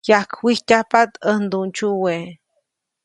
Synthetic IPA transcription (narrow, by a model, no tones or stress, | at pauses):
jahkwihcahpat̪ənd̪unt͡ʃuwe